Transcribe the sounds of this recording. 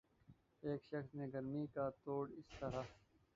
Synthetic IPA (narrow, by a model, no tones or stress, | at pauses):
eːkʃʌxsneːɡɐɾmiːkaːt̪oːɽɪst̪ɐɾa